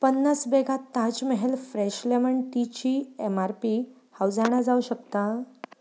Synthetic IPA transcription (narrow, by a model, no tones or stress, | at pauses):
pənːasbeɡat̪ːãd͡ʑməɦelfɾeɕleməɳʈ̪it͡ɕiemaɾpi | hawd͡zaɽ̃ad͡zauɕəkt̪a